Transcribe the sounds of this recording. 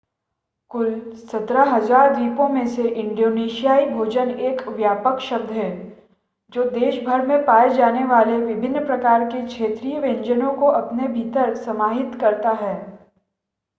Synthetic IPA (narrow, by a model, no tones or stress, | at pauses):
kʊlsɐt̪ɾaɦɐzaːɾd̪iːpõmẽseʔɪ̃ɳɖoːneːʃijaːibʱoːd͡ʒəneːkʋjaːpəkʃɐb̚d̪ʱɦɛː | d͡ʒoːd̪eːʃbʱɐɾmẽpaːed͡ʒaːneʋaːleʋɪbʱɪnːpɾɐkaːɾkekʃʰeːt̪ɾiːjəʋẽɲd͡ʒənõkoʔɐpnebʱiːt̪əɾsɐmaːɦɪt̪kɐɾt̪aɦɛː